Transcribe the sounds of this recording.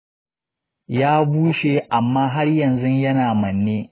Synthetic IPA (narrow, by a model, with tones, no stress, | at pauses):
jaː˦buː˦ʃeː˨ʔa˨mːaː˦ɦa˦rjɐ˨nzʊ˦ɲjɐ˦naː˨mɐ˨nːeː˦